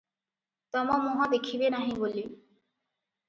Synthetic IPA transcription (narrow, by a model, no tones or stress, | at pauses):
t̪ɔmɔmɔɦad̪ekʰibenaɦĩbolːi